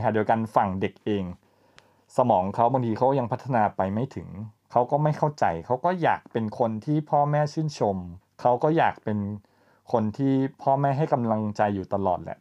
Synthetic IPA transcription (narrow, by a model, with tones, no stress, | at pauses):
a˥˩di˧wka˧nfa˨˩ŋde˨˩k̚ʔeː˧ŋ | sa˧mɔː˩˦ŋkʰa˦˥wba˧ŋt̪ʰiː˧kʰa˦˥kːɔ˥˩ja˧ŋpʰa˦˥t̪ʰːa˧naː˧pa˧jma˥˩jt̪ʰɯ˩˦ŋkʰa˦˥wkɔː˥˩ma˥˩jkʰa˥˩wt͡ɕa̰˧jkʰa˦˥wkɔː˥˩ja̰ː˨˩k̚pe˧nkʰo˧nt̪ʰiː˥˩pʰɔː˥˩mɛː˥˩t͡ɕʰɯː˥˩nt͡ɕʰo˧m | kʰa˦˥wkɔː˥˩jaː˨˩k̚pe˧n | kʰo˧nt̪ʰiː˥˩pʰɔː˥˩mɛː˥˩ɦa˥˩jka˧mla˧ŋt͡ɕa˧jːuː˨˩t̪a˧lɔ̰ː˨˩t̪̚lɛ̰˨˧˦ʔ